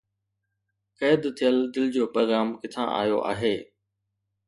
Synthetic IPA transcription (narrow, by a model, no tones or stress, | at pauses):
kɐːd̪t̪ʰijəld̪ɪld͡ʑoːpɾoːɣɾaːmkɪt̪ʰã̰ːʔa̰ːjo̰ʔa̰ːɦeː